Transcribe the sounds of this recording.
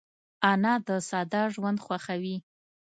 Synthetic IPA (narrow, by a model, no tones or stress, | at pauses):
ɑnɑd̪əsɑd̪ɑʒwand̪xwaxawi